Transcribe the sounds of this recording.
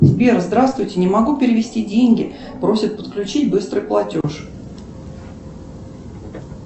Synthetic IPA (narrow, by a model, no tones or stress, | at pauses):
zʲbʲeɾəzd̪ɾast̪vʊjtʲɪnʲɪmɐɡupʲɪɾʲɪvʲɪsʲtʲidʲenʲɡʲɪ | pɾo̞sʲɪt̪̚pə̥t̪klʲʉt͡ɕitʲbɨst̪ɾɨjplˠɐtʲoʂ